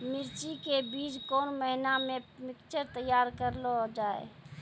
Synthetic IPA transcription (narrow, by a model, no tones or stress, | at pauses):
mɪɾt͡ʃikebiːd͡ʒkoːnməɦinamemɪkt͡ʃəɾt̪əjːaːɾkəɾlod͡ʒaːḛ